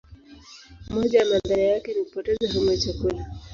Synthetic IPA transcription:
mɔd͡ʒaamandaɾiajakɛnikupɔtɛzaɦɔmɛt͡ʃakula

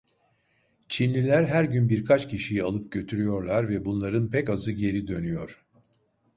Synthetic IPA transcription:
t͡ʃʰinlʲilʲæɾɦæɾɟynbiɾkʰat͡ʃcʰiʃijialˠɯp̚ɟø̞t̪ʰyɾyjo̞ɾlˠaɾvɛbunlˠaɾɯnpʰɛcazɯɟe̞ɾid̪ø̞nyjo̞ɾ̥

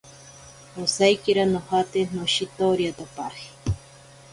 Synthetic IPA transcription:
osajkiɾanohat̪enoʃit̪oɾjat̪apahi̥

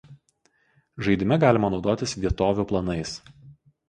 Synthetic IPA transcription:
ʒɐɪd̪ʲɪmʲɛɡɑːlʲɪmɐnɒʊd̪oːt̪ʲɪsʋʲiɛt̪oːʋʲuːplˠɐnɐɪs

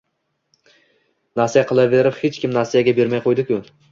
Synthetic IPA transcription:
nasijaqʰɨlˠaveɾɪphet͡ʃkʲɪmnasijaɡʲabe̞ɾmajqʰojd̪ɪkʰʲʊ

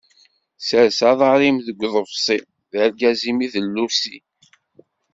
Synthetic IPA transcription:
səɾsɑðˤɑɾˤimðəɡʷːðˤəvsˤi | ðəɾɡæzimiðəlːusi

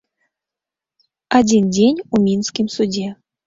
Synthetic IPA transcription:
adʲindʲenʲumʲinskʲimsudʲe

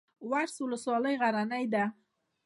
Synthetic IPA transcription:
waɾswʊləswɑləjɣaɾanəjd̪a

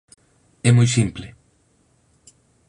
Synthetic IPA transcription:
ɛmojsimple

